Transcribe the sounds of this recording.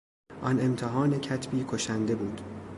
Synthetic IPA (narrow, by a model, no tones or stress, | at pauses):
ʔɒne̞mt̪ʰeɦɒːnecʰæt̪ʰbiːkʰoʃænd̪e̞buːd̪̥